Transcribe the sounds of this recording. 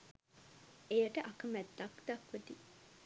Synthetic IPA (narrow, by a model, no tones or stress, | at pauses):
ejəʈəʔakəmæt̪ːakd̪akʋət̪i